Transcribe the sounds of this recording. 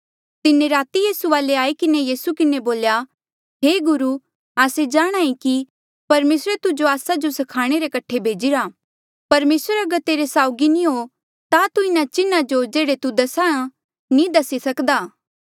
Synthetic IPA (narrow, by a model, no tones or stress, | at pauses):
t̪ɪnẽɾaːt̪ijiːsuʋaːleaːikɪnejiːsukɪneboːlja | ɦeːɡʊɾu | aːsed͡ʒaːɽ̃aːĩki | pɐɾmeːsɾet̪ʊd͡ʒoaːsad͡ʒosɐkʰaːɽ̃eɾekɐʈʰːebʱeːd͡ʒiɾaː | pɐɾmeːsəɾɐɡəɾt̪eːɾesaːʊɡinĩɦo | t̪at̪uɪnat͡ʃɪnad͡ʒod͡ʒeːɽet̪ud̪ɐsaã | nĩd̪ɐsisɐkd̪aː